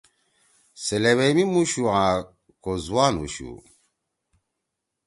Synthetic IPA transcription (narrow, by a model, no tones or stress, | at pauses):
sɛlɛβɛmimuʃuã | kozwano̰ʃṵ